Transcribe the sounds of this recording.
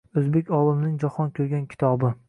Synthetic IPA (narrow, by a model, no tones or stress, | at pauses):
ɵzbekʲɒlˠɪmnɪŋd͡ʒɒhɒnkʲʰɵɾɡʲankʲʰɪ̥t̪ʰɒbɪ